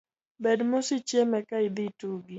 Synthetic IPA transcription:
bɛdmosit͡ʃjemɛkaid̪ituɡi

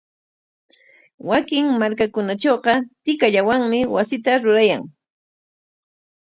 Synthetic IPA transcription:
wakɪŋmaɾkakʊnat͡ʃoːqɑt̪ɪkaʎawaŋmɪwasɪt̪aɾʊɾajaŋ

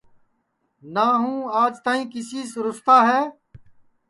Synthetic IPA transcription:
naːɦũːaːd͡ʒt̪aːĩːkɪsiːsɾʊst̪aːɦɛː

